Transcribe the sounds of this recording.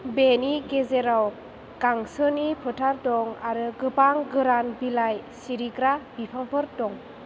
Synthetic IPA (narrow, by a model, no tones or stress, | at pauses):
beniɡezeɾaw | kaŋsɯnipʰɯtʰaɾdɔŋaɾɯɡɯpaŋɡɯɾanbilajsiɾiɡɾabipʰaŋpʰɯɾdɔŋ